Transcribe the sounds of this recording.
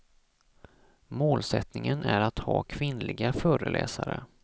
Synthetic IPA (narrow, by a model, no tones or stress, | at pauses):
moːlsɛt̪nɪŋənʔæɾat̪hɑːkʰvɪnlɪɡafœːɾəlʔɛ̰ːsaɾə